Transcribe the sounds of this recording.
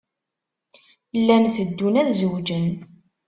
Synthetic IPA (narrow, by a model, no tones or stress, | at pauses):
lːænθəd̪ːunæðzəwd͡ʒən